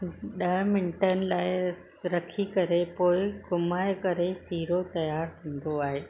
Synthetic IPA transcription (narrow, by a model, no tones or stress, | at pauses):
ɗɐɦmɪnɪʈənɪ̆laːɪ | ɾɐkʰikɐɾepoːɪɡʊmaːɪkɐɾesiːɾot̪ɐjaːɾt̪ʰĩːn̆d̪oaːɦeː